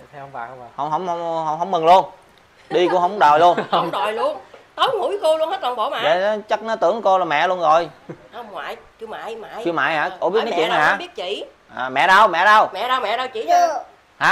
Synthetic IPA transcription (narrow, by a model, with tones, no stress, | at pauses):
ha̰˨˩˧hə̰˧˨wŋ͡mɦə̰˧˦wŋ͡mhə˧˦wŋ͡mhə˨˧˦wŋ͡mɦə˧˦wŋ͡mmɨ˨˩ŋlu˧ən | ɗi˧kʊ̰˧˥əɦə˧wŋ͡mɗɔ˨˩jlu˧ən˧˨wŋ͡mɗɔ˨˩jlu˧ənt̪ə˨˦jŋṵ˧˦jxu˧lu˧ənhe˦˥t̚la˨˩ŋɓo̰˧˨˦ma̰˨˧˨ə̰˧˨˦t͡ɕə˦˥t̚nɔ˨˦t̪ɨ̰˧˩əŋko˧la˨˩mɛ̰˧˨lu˧ənzɔ˨˩jhə˧wŋ͡mŋwa̰ː˧˨jt͡ɕɨ˧ma̰ː˧˨jmaː˧˨jɨ˧ma̰ː˧˨jhaː˧˥ko̰˨˧˥i˦˥tnː˨˧t͡ɕḭ˧˨na˨˩˨ɦaː˧˦ɓi˦˥ət̚t͡ɕḭ˧˨ | ʔəː˨˩mɛ̰˧˨ɗə˧wmɛ̰˧˨ɗə˧wmɛ̰˧˨ɗə˧wmɛ̰˧˨ɗə˧wt͡ɕḭ˧˨ə˧˦ | haː˨˦